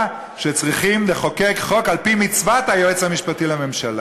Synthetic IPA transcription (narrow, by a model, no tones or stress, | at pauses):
ʃet͡sʁiχimleχo̞kekχo̞kalpimit͡svat̪ajoet͡shamiʃpatilame̞mʃala